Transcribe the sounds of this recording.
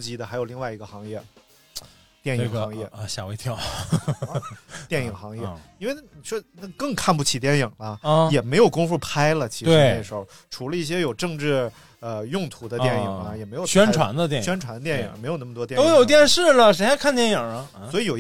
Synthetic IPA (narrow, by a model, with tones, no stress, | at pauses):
t͡ɕi˧˥d̪ə˨xa˧ɪjo˨˩ʊli˥˧ŋwa˥˩ɪi˧˥ɡə˧xɑ˧˥ŋjɛ˥˩ | t̪jɛ˥˩njŋxɑ˧˥jɛ˥˩ə˧˩ɕjɑ˨˩we˧˥ɪt̪ʰjɑ˥˩ʊ | t̪jɛ˥˩ni˨˩ŋxɑ˧˥ŋjɛ˥˧i˥nwe˥˧i˨˩ʂwɔ˥na˥˩kɤ˥˧ŋkʰa˥˧np̬u˥˩t͡ɕʰi˨˩t̪jɛ˥˩ni˨˩ŋlɐ˦˧jɛ˨˩me˧˥ɪjo˨˩ʊkʊ˥ŋfu˥˩pʰa˥ɪlə˨t͡ɕʰi˧˥e˩˥ne˥˩ʂɻxo˥˧˩ʊʈ͡ʂʰu˧˥lə˧i˥˩ɕ̬jɛ˥jo˨˩ʊʈ͡ʂɤ˥˧ŋʈ͡ʂɻ̩˥˩ | ə˧jʊ˥˧ŋt̪ʰu˧˥d̪ə˧t̪jɛ˥˩ni˨˩ŋnə˦jɛ˨˩m˧˥jo˨˩ɕɥɛ˥n˥ʈ͡ʂʰwa̰˧˥nd̪ə˧t̪̬jɛ˥˩ɕɥɛ˥nʈ͡ʂʰa˧˥nd̪ə˧t̪jɛ˥˩ḭ˩˨˩ŋme˧˥ɪo˨˩ʊna˥˩mə˩t̪wɔ˥t̪o˥jo˨˩ʊt̪jɛ˥˧nʂɻ̩˥˩lə˩ʂ̬e˥xa˥kʰa˥˧nt̪jɛ˥njə˨˩lə˦swɔ˥i˨˧jo˨˩ʊ